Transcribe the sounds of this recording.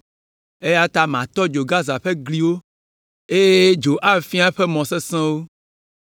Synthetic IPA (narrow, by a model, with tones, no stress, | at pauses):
e˦ja˦t̪a˦mã˨t̪ɔ˦d͡ʒo˨ɡa˦za˨ɸɛ˦ɡli˨wo˦ | e˦je˦d͡ʒo˨ʔa˦˨fi˦a˦ɸɛ˦mɔ̃˨sɛ˦sɛ̃˦wo˦